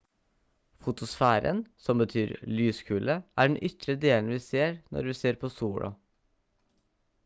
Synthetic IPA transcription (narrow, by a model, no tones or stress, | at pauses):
fʊt̪ʊsfæːɾə̰nsɔmbət̪ʰyːɾlyːskʰʉːləʔæːɖɛnʔʏt̪ɾəd̪eːln̩ʋiːseːɾnɔ̰ɾʋiːseːɾpʰoːsuːɽʔɑ̰